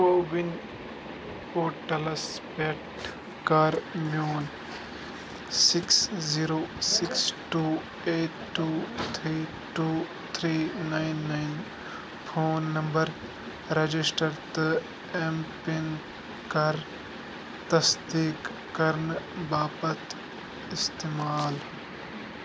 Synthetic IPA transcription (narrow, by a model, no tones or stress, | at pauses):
koːbin | poːʈɐlɐs | peʈ | kaɾmjoːn | siksziːɾoːsiksʈuː | eːʈʈːuːt̪ʰɾiː | ʈuː | t̪ʰɾiːnaɪnːaɪn | pʰoːnːɐ̃mbəɾ | ɾɐd͡ʒisʈɐɾt̪ɨ | empin | kɐɾ | t̪ɐsd̪iːkː | ɐɾnbaːpɐt̪ | ɪst̪eːmaːl